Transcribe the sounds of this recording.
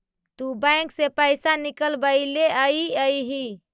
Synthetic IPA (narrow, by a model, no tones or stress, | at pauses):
t̪ubəj̃ŋksepəjsanikəlbəɪleəiəiɦi